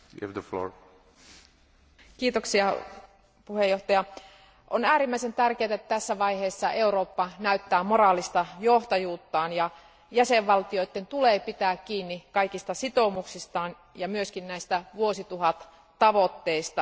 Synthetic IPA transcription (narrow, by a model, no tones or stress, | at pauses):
j̰æ̰vðəflo̰ːɹ | kiːt̪oksiɑ | puhejoht̪ɑjɑ | ʔonæːɾimːæisent̪ærkeːt̪æet̪ːæt̪æsːæʋɑiheːsːɑʔe̞uɾoːpːɑnæyt̪ːæːmorɑːlist̪ɑjoht̪ɑjuːt̪ːɑːnjɑ | jæseʋʋɑlt̪ioit̪ːent̪uleːpit̪æːkkiːnːikɑikist̪ɑsit̪omuksist̪ɑːn | jɑmyøskinnæist̪æʋuosit̪uɦɑt̪ | t̪ɑʋot̪ːeist̪ɑ